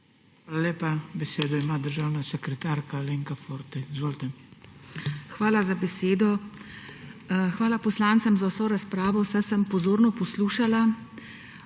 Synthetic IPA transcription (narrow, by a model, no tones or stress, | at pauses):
xʋaːlalʲeːpabɛseːd̪ɔimaːd̪əɾʒaːwnasɛkɾɛt̪aːɾkaleŋkafoɾt̪izʋoːlt̪ɛm | xʋaːlazabɛseːd̪ɔ | xʋaːlapɔslaːnt̪sɛmzawsoːɾaspɾaːʋɔwsɛsəmpɔzoːɾnɔpɔsluːʃala